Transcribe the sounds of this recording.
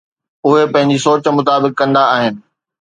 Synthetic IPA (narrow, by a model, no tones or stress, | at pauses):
ʊɦepɐ̃ɦɪ̃ɲd͡ʑisoːt͡ɕmʊt̪aːbɪkːɐ̃nd̪aːɦɪnɪ̆